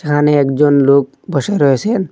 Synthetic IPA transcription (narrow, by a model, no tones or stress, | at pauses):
ekʰaneɛkd͡ʒonlok̚ | bʱɔʃeɾɔɦet͡ʃʰen